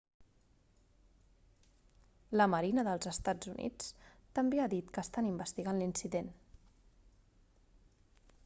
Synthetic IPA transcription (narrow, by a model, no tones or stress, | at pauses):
ləməɾinəðəlˠzəst̪ad͡zunʔḭt͡st̪əmbeaðit̪kəːst̪animbəst̪iɣanlinsiðen